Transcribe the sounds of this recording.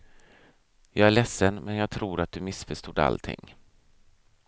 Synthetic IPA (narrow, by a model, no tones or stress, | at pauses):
jɑːɡæɭɛsːənmɛnjɑːɡ̚t̪ʰɾuːɾat̪̚d̪ɵmɪsfœʂt̪uːd̪a̰lt̪ʰɪ̰ŋː